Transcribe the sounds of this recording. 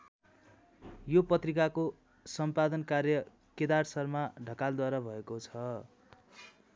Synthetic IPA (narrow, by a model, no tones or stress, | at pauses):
jopʌt̪rikako | sʌmpad̪ʌnkarjʌ | ked̪arsʌrmaɖʱʌkald̪waɾabʱʌekot͡sʰʌ